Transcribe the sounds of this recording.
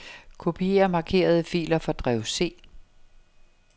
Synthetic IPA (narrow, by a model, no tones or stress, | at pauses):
kʰo̝pʰie̝ɐmɑ̈kʰe̝̰ːɐð̞̩ˠəfḭːlɐfɒ̽d̥ʁɛʊse̝̰ː